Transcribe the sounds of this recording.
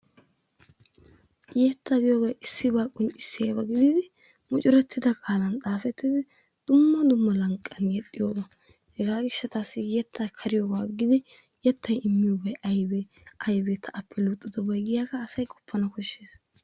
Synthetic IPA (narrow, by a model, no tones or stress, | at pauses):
jeːt̪ːɐɡɪjoːɡɐʔɪsːɪbaːkʼːʊnɪsːɪeːbɐɡɪd̪iːd̪ɪ | mʊt͡ʃʼɪɾɛt̪ʰːɪd̪ɐkʼaːlɐnt̪ʼaːfɛt̪ːɪd̪ɪ | d̪̥ʊmːɐd̪ʊmːɐlɐŋkʼːɐnjɛt̪ʼːɪjoːɡɐ | hɛɡaːɡɪʃːɐt̪aːsːɪjɛt̪ʰːɐkʰɐɾɪjoːɡaːɡɪd̪ɪ | jɛt̪ʰːɐjɪmːɪjobɐjʔɐjbɛ | ɐjbeːt̪ʰːɐɐpʰːɛlut̪ʼːɪd̪ɔbɐjɡɪjakɐːsɐjkʼɔ̥pʰːɐnɐkɔʃːeːs